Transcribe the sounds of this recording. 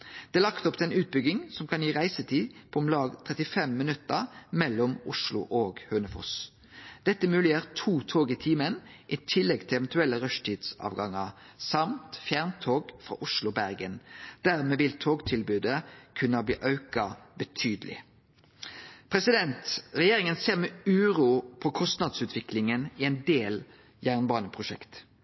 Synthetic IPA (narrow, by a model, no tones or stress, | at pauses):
d̪̥ɛːlɑkt̪ɔpt̪ɛnʉːt̪̚bʏɡɪŋsɔmkʰɑnjiːʁæɪsət̪ʰiːpʰɔɔmlɑːɡt̪ʰʁɛt̪ɪfɛmːɪnʉt̪əʁmɛlːɔmʊʂlʊ̰ʔoːɡhøːnəfɔ̰s | d̪̥ɛt̪ːəmʉːlɪjeːʁt̪ʰuːt̪ʰoːɡɪt̪ʰiːmənʔɪt̪ʰɪlːɛɡt̪ʰɪlɛʋɛnt̪ʉɛlːəʁœʃtʰiːd̪sɑ̰ːʋɡɑŋːəʁsɑmt̪fjæʁnt̪ʰoːɡfʁɑ̰ːʔʊʃlʊbæʁɡənd̪̥æʁmeːʋɪlt̪ʰoːɡt̪ʰɪlbʉːd̪əkʰʉnːɑblḭːʔɑʉkɑbət̪ʰyːd̪lɪ̰ | pʰʁɛsɪd̪ɛnt̪ʁɛjeːʁɪŋənseːʁmɛʉːʁuːpʰɔkʰɔst̪nɑd̪sʉːt̪ʋɪklɪŋənɪɛnd̪eːl | jæːʁnbɑːnəpʰʁʊʃɛkt̪